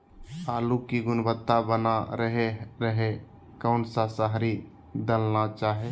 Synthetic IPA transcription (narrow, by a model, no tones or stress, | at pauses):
aːlukiɡʊnbət̪ːabənaɾəɦeɾəɦe | kəʊnsasəɦɾi | d̪əlnat͡ʃaːɦe